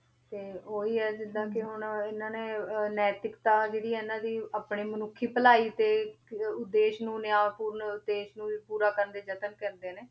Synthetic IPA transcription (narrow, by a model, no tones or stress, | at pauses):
t̪eːoːiːɛːd͡ʒɪd̪ãːkɪɦʊnɪnãːneːnɛːt̪ɪkt̪aːd͡ʒeːɽiːɛːɪnãːd̪iːaːpɳeːmənʊkʰːiːpəlaːiːt̪eːʊd̪ːeːʃnũːnɪaːpuːɾnʊd̪eːʃnũːiːpuːɾaːkəɾnd̪eːd͡ʒət̪ənkɛːnd̪eːneː